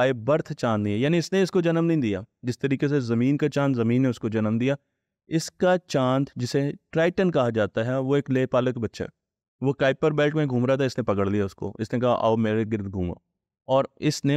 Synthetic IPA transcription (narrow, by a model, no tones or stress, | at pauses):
aːebɐɾt̪ʰt͡ʃãːnd̪nɐɦĩjaːnĩɪsneɪskod͡ʒɐnəmnɐɦĩd̪ija̰ːd͡ʒɪst̪əɾiːkes̬ezɐmĩːnkat͡ʃãːnd̪zɐmĩːnːeʊskod͡ʒɐnəmd̪ijaː | ɪskat͡ʃãːnt̪d͡ʒɪseʈɾaːɪʈənkɐɦad͡ʒaːt̪aɦɛʋoeːkleːpaːləkbɐtːʃa̰ː | ʋokaːɪpːəɾbɛːlʈmẽɡʱuːmɾat̪ʰaɪsnẽpɐkəɽlijaʊsko̰ɪsnekɐɦa̰ʔaomeːɾeɡɪɾd̪ɡʱuːma̰ː | ɔːɾɪsne